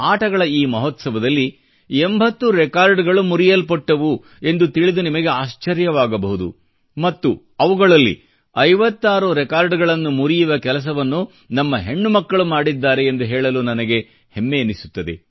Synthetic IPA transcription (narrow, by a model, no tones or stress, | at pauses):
aːʈɐɡɐɭɐiːmɐɦot̪sɐʋɐd̪ɐlːi | embʱɐt̪ːuɾekaːɾɖɡɐɭumuɾijɐlpɔʈːɐʋu | e̞nd̪ut̪iɭid̪unimɐɡe̞aːʃt͡ʃɐɾjɐʋaːɡɐbɐɦud̪ṵ | mɐt̪ːu | ɐʋuɡɐɭɐlːḭ | ɐjʋɐt̪ːaːɾuɾɛkaːɾɖɡɐɭɐnːumuɾijuʋɐkɛlɐs̬ɐʋɐnːu | nɐmːɐɦe̞ɳːumɐkːɐɭumaːɽid̪ːaːɾe̞ːnd̪uɦɛːɭɐluːnɐnɐɡe̞ | hemːenisu̥t̪ːɐd̪e̞̰